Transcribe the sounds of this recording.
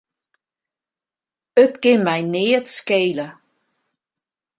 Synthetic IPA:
ətkɪnmɛjnɪːətskeːlə

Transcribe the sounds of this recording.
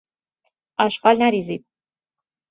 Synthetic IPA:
ɑʃqɑlnæɾizid̪̥̚

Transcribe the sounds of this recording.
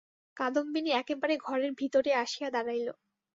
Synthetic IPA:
kad̪ombiniɛkebaɾeɡʱɔɾeɾbʱit̪oɾeaʃijad̪aɾajlo

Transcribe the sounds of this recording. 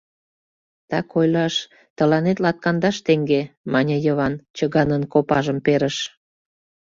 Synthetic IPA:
t̪ɑkojlɑʃ | t̪ə̆lɑnet̪lɑt̪̚kɑnd̪ɑʃt̪eŋɡemɑnʲəjəβɑnt͡ɕəɣɑnənkopɑʒəmpeɾəʃ

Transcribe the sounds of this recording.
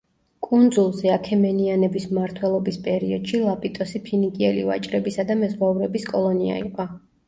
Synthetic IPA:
kʼund̪zulˠzɛakʰɛmɛnianɛbismaɾt̪ʰwɛlˠɔbispʼɛɾiɔd̪̥ʃilˠapʼit̪ʼɔsipʰinikʼiɛlḭva̰t͡ʃʼɾɛbisad̪amɛzʁauvɾɛbiskʼɔlˠɔnia̰ḭqʼɔ

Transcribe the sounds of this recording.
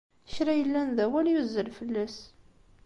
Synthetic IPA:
çɾæjəlːænðæwæljuzːəlfəlːæs

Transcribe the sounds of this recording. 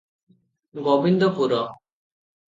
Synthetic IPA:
ɡɔbind̪ɔpuɾɔ

